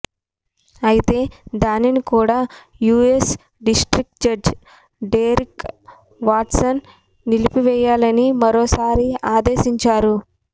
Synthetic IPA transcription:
ɐjit̪e̞ːd̪aːninikuːɽaː | juːes | ɖisʈɾik̚ʈd͡ʒɐd͡ʒ | ɖeːɾik | ʋaːʈsɐnː | ilipiʋɛjaːlɐnimɐɾoːsaːɾiaːd̪eːʃiɲt͡ʃaːɾu

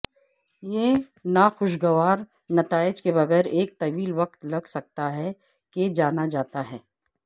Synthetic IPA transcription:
je | naxʊʃ̬ɡɐʋaːɾ | nɐt̪aːɪd͡ʒkebɐɣɛːɾeːk̚t̪ɐʋiːlʋɐq̚t̪lɐɡsɐk̚t̪aɦɛ | ked͡ʒaːnad͡ʒaːt̪aɦɛː

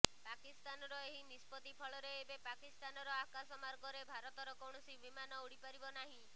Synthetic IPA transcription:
pakist̪anɔɾɔeɦinispɔt̪ipʰɔɭɔɾeebepakist̪anɔɾɔakasɔmaɾɡɔɾebʱaɾɔt̪ɔɾɔkɔwɳ̃ɔsibimanɔuɽipaɾibɔnaɦĩ

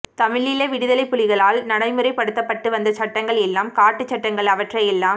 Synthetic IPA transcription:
t̪ɐmɪɭɪlɐʋɪɽɯðɐlɐɪpːʊlɪɣɐɭaːlnɐɽɐɪmɯrɐɪpːɐɽɯt̪ːɐpːɐʈːɯʋɐnd̪ɐt͡ʃɐʈːɐŋɡɐɭɛlːaːmkaːʈːɯt͡ʃːɐʈːɐŋɡɐɭɐʋɐʈrɐjɛlːaːm

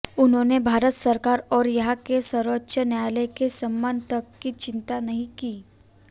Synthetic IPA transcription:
ʊnɦõːnebʱaːɾət̪səɾkaːɾɔːɾjɐɦãkesəɾʋətːʃʰənjaːlekesɐmːant̪ɐkːit͡ʃɪ̃nt̪anɐɦĩkiː

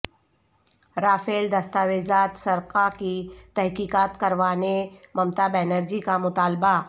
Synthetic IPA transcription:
ɾaːfeːld̪ɐst̪aːʋezaːt̪sɐɾqakit̪ɛɦkiːkaːt̪kɐɾʋaːnemɐmt̪abɛːnəɾd͡ʒikamʊt̪aːlba

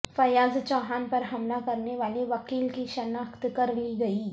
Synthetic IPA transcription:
fɐjad͡zt͡ɕɔɦanpəɾɦɐmlakəɾneʋaleʋəkiːlkiɕɐnakt̪kəɾliːɡəiː

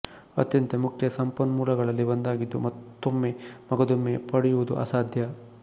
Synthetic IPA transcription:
ɐ̰t̪jɐnt̪emukʰjɐsɐmpɐnmuːlɐɡɐɭɐlːibɐnd̪aːɡid̪ːṵmɐt̪ːomːemɐɡɐd̪umːepɐɽɛjuʋud̪ṵʔɐ̰saːd̪ʱjɐ

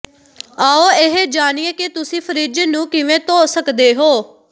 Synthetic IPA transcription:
aːoːeɦed͡ʒaːnieːkɪt̪ʊsĩːpʰəɾiːd͡ʒeːnũːkɪʋẽːt̪oːsəkd̪eːɦoː

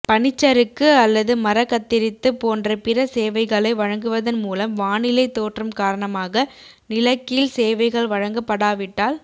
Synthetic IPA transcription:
pɐɳɪt͡ʃːɐɾɯkːɯɐlːɐðɯmɐɾɐkːɐt̪ːɪɾɪt̪ːɯpoːndrɐpɪrɐseːʋɐɪɣɐɭɐɪʋɐɻɐŋɡɯʋɐðɐnmuːlɐmʋaːnɪlɐɪt̪ːoːʈrɯmkaːɾɐɳɐmaːɣɐ | nɪlɐkːɪlseːʋɐɪɣɐɭʋɐɻɐŋɡɐpːɐɽaːʋɪʈːaːl

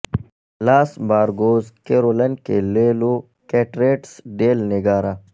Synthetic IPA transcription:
laːsbaːɾɡoːzkeːɾoːlɐnkeleːlo | keːʈɾeːʈsɖeːlnɪɡaːɾa

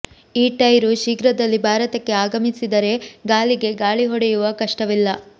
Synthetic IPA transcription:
iːʈɐjɾuʃiɡɾɐd̪ɐlːibʱaːɾɐt̪ɐkːe̞aːɡɐmisid̪ɐɾe̞ɡaːɭiɡe̞ɡaːɭiɦɔɽejuʋɐkɐʂʈɐʋilːɐ

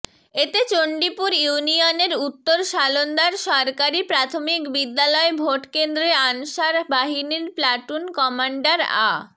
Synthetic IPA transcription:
et̪et͡ɕoɳɖipuɾjunioneɾut̪ːoɾʃalond̪aɾʃɔɾkaɾipɾat̪ʰomikbid̪ːalɔebʱoʈkend̪ɾeanʃaɾbaɦiniɾplaʈunkɔmaɳɖaɾa̰

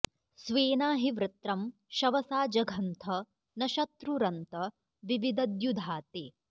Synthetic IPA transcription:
sʋeːnaːɦiʋɾɪt̪ɾɐm | ʃɐʋɐsaːd͡ʒɐɡʱɐnt̪ʰɐ | nɐʃɐt̪ɾuɾɐnt̪ɐ | ʋiʋid̪ɐd̪jud̪ʱaːt̪eː

